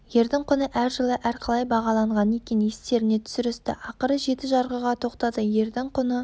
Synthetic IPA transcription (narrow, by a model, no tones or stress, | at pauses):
je̞ɾd̪ɪɴqʰʊnəʔæɾʒəlˠəʔæɾqʰɑlˠɑjbɑʁɑlˠɑɴʁɑne̞kʲenjest̪e̞ɾɪne̞t̪ʰʏ̥sʏɪɾɪst̪ɪ̰ʔɑqəɾəʒe̞t̪ɪʒɑɾʁəʁɑt̪ʰo̞qt̪ɑd̪əje̞ɾd̪ɪŋqʰʊnə